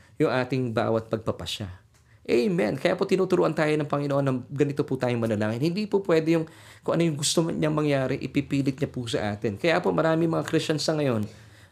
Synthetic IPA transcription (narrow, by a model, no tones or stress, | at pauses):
jʊŋʔaːt̪ɪŋba̰ːwɐt̪̚pɐɡ̚pɐpɐʃa̰ | ʔɛjmɛnkɐjapo̞t̪ɪnuːt̪ʊɾuʔɐnt̪aːjonɐŋpɐŋɪnoʔonːɐɡɐnɪt̪opʊt̪aːjʊŋmɐlɐlaːŋɪnhɪnd̪iːpʊpwɛːd̪ɛjʊŋkʊŋʔɐnojʊŋɡʊst̪omɲɐŋmɐŋjaːɾɛʔɪ̰pipiːlɪt̪̚ɲɐpʊsɐ̰ʔaːt̪ɪnkɐjapo̞mɐɾaːmɪŋmɐŋakɾɪst͡ʃɐnsɐŋɐjo̞n